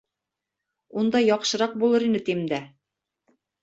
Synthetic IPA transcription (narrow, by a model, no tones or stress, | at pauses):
und̪ɑjɒqʃɤ̆ɾɑq̚bulˠɤɾinɘt̪imd̪æ